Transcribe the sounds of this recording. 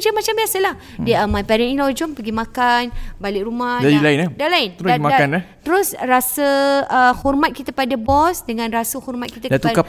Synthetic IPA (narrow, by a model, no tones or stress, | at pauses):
d͡ʒəmat͡ʃambiasəlah | diamãpɛɾɛnĩlɔd͡ʒɔmpəɡimãkanbalɪʔɾumadailaiɪnatdalaɪnɾamakkanlat̪əɾʊsrasəəhɔrmat̪̚kit̪əpadabɔsdəŋãnrasəhɔrmat̪̚kit̪adat̪uaka